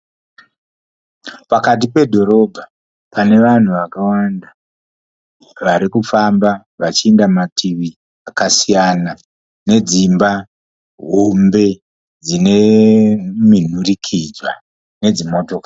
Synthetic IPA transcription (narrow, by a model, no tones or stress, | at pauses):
pakat̬ipe̞dʱo̞ɾo̞bʱa | pane̞ʋan̤uʋakawanda | ʋaɾikufamba | ʋat͡ʃiendamatʰiʋi | akasijana | ne̞d͡zimba | ɦombe̞ | d͡zine̞ | min̤urikʰid͡zwa | ne̞d͡zimotoka